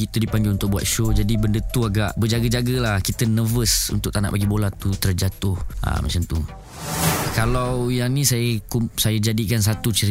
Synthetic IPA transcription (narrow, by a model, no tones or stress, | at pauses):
ɡit̪udipaŋɡɪlunt̪ʊk̚bua̰t̪̚ʃod͡ʒadibəndət̪uaɡaʔbəd͡ʒaɡəd͡ʒaɡəlahkit̪ənəvəsṵnt̪ʊk̚t̪ana̰ʔbaɡibolat̪ut̪ərd͡ʒat̪ʊha̰ma̰t͡ʃant̪u | kalawjaŋnĩsajəkumsajəd͡ʒadikans̬at̪ut͡ʃəɾi